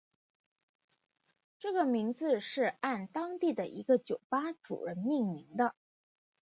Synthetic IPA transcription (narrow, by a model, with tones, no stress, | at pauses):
ʈ͡ʂɤ˥˩ɡə˩mi˧˥ŋd͡zɹ̩˧ʂɻ̩˥˧a˥˩nt̪ɑ˥ŋt̪i˥˩d̪ə˩ʔḭ˧˥ɡə˧t͡ɕjo˨˩ʊpa˥ʈ͡ʂṵ˨˩ɻə˧˥nmi˥˩ŋli˧˥ŋd̪ə˧